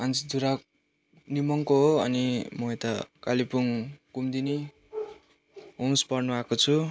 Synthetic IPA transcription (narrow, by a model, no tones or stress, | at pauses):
ʌnt͡sid̪ʱuɾak | nimʌŋkoɦoʌnimʌet̪ʌkalipuŋkumd̪ini | ɦuŋspʌrnuakot͡sʰu